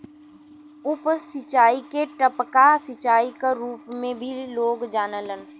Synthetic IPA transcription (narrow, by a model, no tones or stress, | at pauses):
ʊpsɪt͡ʃaːikeʈəpkasɪt͡ʃaːikaɾuːpmẽbʱiloːɡd͡ʒaːnələn